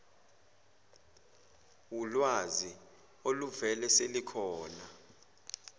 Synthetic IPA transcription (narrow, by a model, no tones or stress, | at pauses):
wulwazi | oluvɛlɛselikʰɔːna